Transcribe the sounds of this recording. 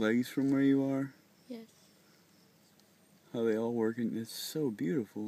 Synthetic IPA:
lɛɡiz̥fɹʌ̃mwə˞jɨə˞ | jɛ | haʊðeɪɔlˠwɜ˞kɪ̃ŋɪtsoʊbjʉɾəfl̩ˠ

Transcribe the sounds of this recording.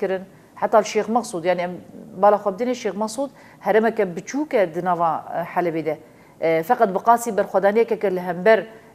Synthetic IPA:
kɨɾɨn | ħat̪ːɑːlʃeːxmɑɣsˤuːd̪jaʕniʔɛmbɑːlɑːxʷɛb̚d̪ɨneʃeːxmɛɣsˤuːd̪ | hɛɾɛmɛkɛbɨt͡ʃʰuːkɛd̪ɨnɑːvɑːħalɛbeːd̪ɛ | fɛqɑt̪̚bɨqɑːsiːbɛɾxʷɛd̪ɑːnijɛkɛkɛlɨɦɛmbɛɾ

